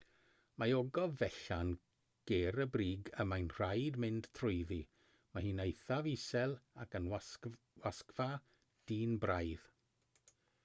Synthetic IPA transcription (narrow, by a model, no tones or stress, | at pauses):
maoɡɔvɛɬan | ɡ̥eɾəbriːɡəmajnr̥ajdmɪnd̥tʰrʊjði | mahiːnejθavisɛlˠakənw | waskva | d̥iːnbrajð